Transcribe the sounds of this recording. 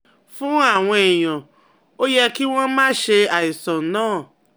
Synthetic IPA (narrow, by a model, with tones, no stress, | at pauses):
fũ˦a˦˨w̃ɔ̃˧ɛ˨j̃ã˨ | o˦jɛ˦ki˦w̃ɔ̃˦mãː˦ʃe˧a˨i˨sɔ̃˨nãː˦˨